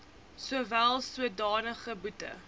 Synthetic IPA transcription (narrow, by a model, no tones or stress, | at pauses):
suəvælˠsuədɑːnəχəbutə̰